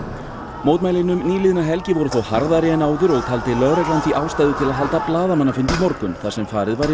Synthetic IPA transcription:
moːwt̪majlɪnʏmniːlɪðnaɦɛlcɪvɔɾʏθowhaɾðaɾɪɛnaːwðʏɾɔɣt̪ʰalt̪ɪlœðɾɛjklant̪fiʔaːwst̪ajðʏt̪ʰɪlaðɦalt̪aplaːðamanːafɪnt̪imɔɾkʏnθaðsɛmfaːɾɪðvaɾɪ

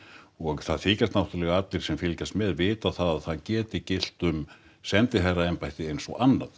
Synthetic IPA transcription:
ɔɣθaðθɪːcast̪nawht̪ʏɾlɛɣaat̪lɪɾ̥sɛmfɪlcast̪mɛðvɪːt̪aðθaðaðθaðcɛːt̪ɪcɪl̥t̪ʏm | sɛnt̪ɪɦajraɛmpajt̪ɪejnsɔ̰ʔanːa̰ð

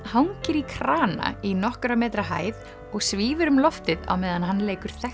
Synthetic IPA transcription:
hawŋcɪɾikʰɾaːna̰inɔhkʏɾamɛːt̪ɾaɦa̰ːjð | ɔɣsviːvʏɾʏmlɔft̪ɪða̰wmɛːðanɦanːleːjkʏɾ̥θɛ

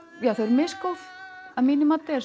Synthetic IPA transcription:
jaθeɾmɪskoθaminɪmat̪ːɛɾ

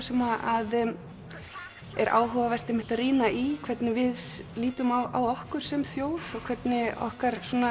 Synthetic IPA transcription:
sɛmaʔað | ɛɾʔa̰ːwɦœvavɛr̥t̪ɪmɪht̪aðriːnaʔikʰvɛt̪nɪvɪðsliːt̪ʏmawawɔhkʏɾ̥sɛmθjoːwθɔɣkʰv̥ɛt̪nɪɔ̰hkaɾ̥suːna

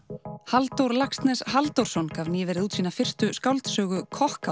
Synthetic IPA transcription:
halt̪owɾlakst̪nɛshalt̪owr̥sɔnkavnjɛvɛɾɪðuːt̪siːnafɪr̥st̪ʏskawlt̪sœːɣʏkʰɔhka

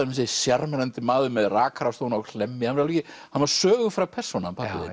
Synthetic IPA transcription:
ms̬esjaɾmɛnant̪ɪmaːðʏmɛðraːkɾast̪ownaɔkʰl̥ɛmːɪhanvaɾalvɛcɪ | hanvaɾ̥sœːɣʏfɾawpʰɛr̥sɔnampʰaðɪ̰

